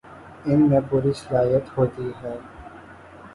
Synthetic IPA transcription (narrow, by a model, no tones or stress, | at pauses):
ɪnmẽpʊɾisɪlaːjət̪hoːt̪iɦɛː